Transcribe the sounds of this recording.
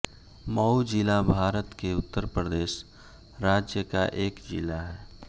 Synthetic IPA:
məud͡ʒɪlabʱaːɾət̪keʊt̪ːəɾpɾəd̪eːʃ | ɾaːd͡ʒjəkaʔeːkd͡ʒɪ̰laɦɛː

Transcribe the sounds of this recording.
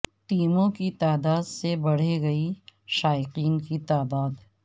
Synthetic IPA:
ʈiːmõkit̪aːd̪aːd̪sebɐɽ̤eɡɐiʃaːjɪqiːnkit̪aːd̪aːd̪

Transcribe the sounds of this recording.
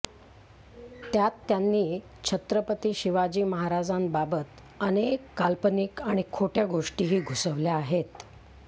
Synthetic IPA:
t̪jat̪ːjanːiː | t͡ɕʰət̪ɾəpət̪iːɕiʋad͡ʑiːməɦaɾad͡zambabət̪ | ənekːalpənikaɽ̃ikʰoʈjaɡoʂʈiːɦiːɡʱusəʋljaːɦet̪

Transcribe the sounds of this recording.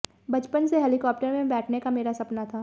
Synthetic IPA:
bɐt͡ʃpənseɦɛːlɪkɔːp̚ʈəɾmẽbɛːʈʰnekameːɾasɐpnat̪ʰaː

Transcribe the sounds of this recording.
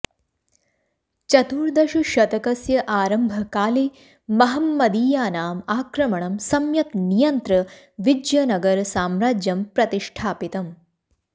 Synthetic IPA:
t͡ʃɐt̪uːɾd̪ɐʃuʃɐt̪ɐkɐsjɐʔaːɾɐmbʱɐkaːli | mɐɦɐmːɐd̪iːjaːnaːmaːkɾɐmɐɳɐmsɐmjɐt̪nijɐnt̪ɾɐ | ʋid͡ʒjɐnɐɡɐɾsaːmɾaːd͡ʒjɐmpɾɐt̪iʂʈʰaːpit̪ɐm

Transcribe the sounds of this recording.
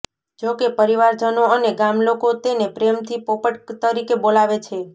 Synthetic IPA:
d͡ʒokepəɾiʋaɾd͡ʒənoəneɡamlokot̪enepɾemt̪ʰipopəʈt̪əɾikebolaʋet͡ʃʰe

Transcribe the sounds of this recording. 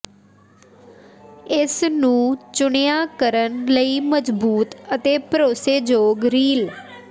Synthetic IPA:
ɪsnũːt͡ʃʊɳejaːkəɾənləiːməzbuːt̪ət̪eːpəɾoːseːd͡ʒoːɡɾiːl

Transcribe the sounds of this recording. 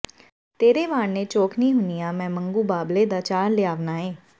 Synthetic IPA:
t̪eːɾeːʋaːɳnet͡ʃoːkʰnĩːɦʊnijaːmɛ̃ːmə̃ŋɡuːbaːbled̪aːt͡ʃaːɾlɪjaːʋnaːeː

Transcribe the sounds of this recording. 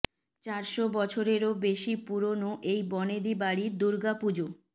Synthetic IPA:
t͡ɕaɾʃobɔt͡ɕʰoɾeɾobeʃipuɾonoʔejbɔned̪ibaɽid̪uɾɡapud͡ʑo

